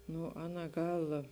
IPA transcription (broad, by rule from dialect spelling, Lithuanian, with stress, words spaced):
ˈnʊ ˈɑːˌnɐ ˈɡɐlˠ